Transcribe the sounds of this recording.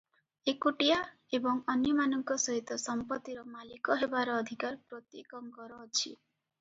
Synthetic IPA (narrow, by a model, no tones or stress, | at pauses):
ekuʈija | ebɔŋɔnjɔmanɔŋkɔsɔɦit̪ɔsɔmpɔt̪ːiɾɔmalikɔɦebaɾɔːd̪ʱikaɾpɾot̪jekɔŋkɔɾɔːt͡ʃʰḭ